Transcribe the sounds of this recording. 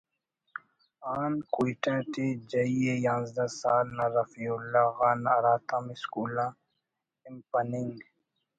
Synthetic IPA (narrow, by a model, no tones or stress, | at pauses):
aːnkuiʈãʈed͡ʒɐiejãːnzd̪asaːlnaɾɐfiulːaɣaːnaɾaːt̪ʰamiskuːlã | impɐniŋɡ